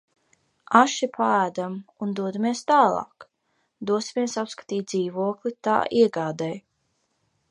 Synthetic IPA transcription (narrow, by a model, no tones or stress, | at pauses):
aʃipʰaæːd̪amund̪uɔd̪amiɛst̪aːlˠɑ̰ːk | d̪uɔsimiɛsapskḁt̪iːt̪̚d̪ziːvuɔklˠit̪a̰ːʔiɛɡaːd̪ɛj